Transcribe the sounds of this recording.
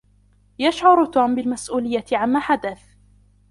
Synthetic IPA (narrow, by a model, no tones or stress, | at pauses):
jaʃʕʊɾt̪uːmbɪlmasʔuːlɪjːat̪ɪʕamːaːħad̪aθ